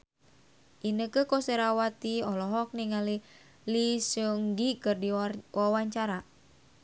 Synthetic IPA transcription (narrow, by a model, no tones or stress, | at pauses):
ʔinəkəkɔseɾawat̪iɔlɔɦɔk̚niŋali | lisuŋɡikɨrdiwawaɲt͡ʃaɾa